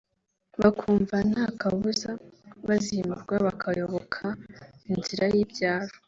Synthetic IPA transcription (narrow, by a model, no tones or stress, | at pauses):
βakʰuːɱvan̥haːkaβuzaβazimuɾɡwaβakʰajo̞βokʰainziɾajiːbɟaːɾo